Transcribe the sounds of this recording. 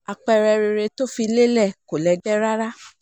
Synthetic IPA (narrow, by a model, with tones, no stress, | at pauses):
a˧k͡pɛ˧ɾɛ˧ɾe˧ɾe˧to˦fi˧le˦lɛ˦˨ko˨lɛ˧dɛ˦ɾa˦ɾa˦